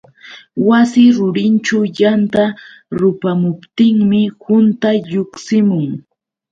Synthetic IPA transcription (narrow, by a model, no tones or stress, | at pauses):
wasɪɾʊɾɪnt͡ʃajant̪a | ɾʊpamʊpt̪ɪŋmɪhʊnt̪aʎʊksɪmʊŋ